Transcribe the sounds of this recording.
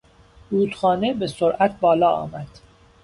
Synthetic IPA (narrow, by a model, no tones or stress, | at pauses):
ɾuːt̪xɒːne̞be̞soɾʔæt̪̚ʰbɒːlɒːɒ̰ːmæd̪̥